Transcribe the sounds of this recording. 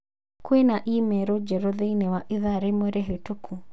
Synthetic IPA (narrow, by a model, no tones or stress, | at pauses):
kwenaʔimɛɾɔd͡ʒɛɾɔðeinɛwaʔiðaɾemweɾɛɦetokʰu